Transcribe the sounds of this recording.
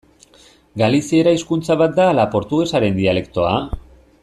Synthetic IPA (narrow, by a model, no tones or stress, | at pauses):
ɡalisieɾaiskunt͡saβat̪̚d̪aːlapo̞ɾt̪uɣe̞saɾe̞nd̪iale̞kt̪o̞a